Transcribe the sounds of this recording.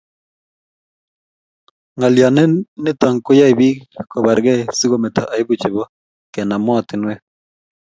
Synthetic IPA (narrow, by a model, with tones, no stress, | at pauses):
ŋa˨lja˨nɛ˦ne˦ta˨ŋko˦ja˦i˨βi˦ko˨βa˨ɾɣɛ˦si˦ɣo˦me˨to˨ʔa˨i˦βu˦t͡ʃi˨βɔ˦ | kɛ˨na˨mɔ˦˨ti˨nwe˦